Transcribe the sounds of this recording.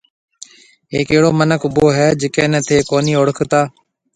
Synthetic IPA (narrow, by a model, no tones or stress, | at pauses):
ɦeːkeːɽoːmənəkʰʊboːɦɛːd͡ʒɪkẽːnət̪ʰeːkoːniːoɽəkʰt̪aː